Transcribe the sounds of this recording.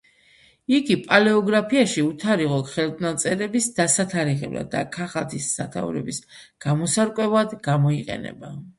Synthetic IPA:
iɡipʼalɛɔɡɾapʰiaʃiut̪ʰaɾiʁɔχɛld̪nat̪sʼɛɾɛbisd̪̥asat̪ʰaɾiʁɛ̰bla̰d̪ːa̰kʰaχat̪ʰisːat̪ʰa̰uɾɛ̰bis | ɡ̥amɔsaɾkʼwɛvad̪ɡamɔiqʼɛ̰nɛ̰ba

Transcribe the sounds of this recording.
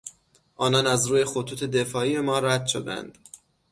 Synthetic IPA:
ʔɒːnɒːnæzɾuːje̞xot̪ʰuːt̪ʰe̞d̪e̞fɒːiːbe̞mɒːɾæd̪ʃo̞d̪æ̰nd̪̥

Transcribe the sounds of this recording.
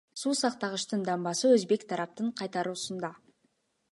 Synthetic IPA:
suːsɑqt̪ɑʁəʃt̪ɯnd̪ɑmbɑsɯɵzbe̞kt̪ʰɑɾɑp̚t̪ɯɴqʰɑjt̪ɑɾuːsund̪ɑ

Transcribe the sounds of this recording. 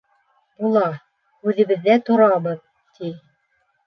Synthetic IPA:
bulˠɑ | ʉðɘ̆βɘ̆ðːæt̪ŏɾɑbɤð | t̪i

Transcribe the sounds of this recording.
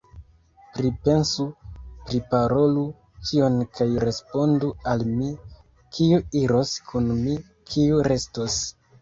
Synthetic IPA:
pɾipe̞nsupɾipaɾo̞lu | kio̞nkʰajɾe̞spo̞ndualmi | kʰiuiɾo̞skʰunmi | kʰiuɾe̞stos

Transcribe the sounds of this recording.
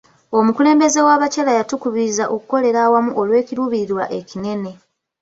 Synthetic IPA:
o̞mukule̞ːmbe̞ze̞waːβacelajatukuβizaʔo̞kuko̞le̞ɾaːwamuʔo̞lwe̞ːciɾuːβiɾiɾwa̰ʔe̞cine̞ne̞

